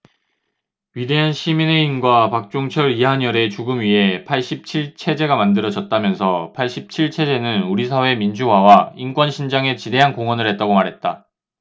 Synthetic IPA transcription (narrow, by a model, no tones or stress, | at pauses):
ɥide̞ɦanɕʰimineinɡwapak̚t͡ɕ͈oŋt͡ɕʰʌɾiɦaɲʌɾe̞t͡ɕuɡɯmɥiɦe̞pʰaɭɕ͈ip̚t͡ɕʰiɭt͡ɕʰe̞d͡ʑe̞ɡamandɯɾʌd͡ʑʌt̚t͈amjʌnsʰʌpʰaɭɕ͈ip̚t͡ɕʰiɭt͡ɕʰe̞d͡ʑe̞nɯnuɾisʰawe̞mind͡ʑuɦawainkwʌnɕʰind͡ʑaŋe̞t͡ɕide̞ɦankoŋwʌnɯɭɦet̚t͈aɡomaɾɦe̞t̚t͈a